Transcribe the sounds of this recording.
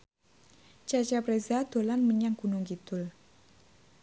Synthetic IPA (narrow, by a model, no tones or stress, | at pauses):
t͡ʃat͡ʃapɾezad̪̥o̤lanməɲaŋɡ̥unʊŋɡit̪ʊl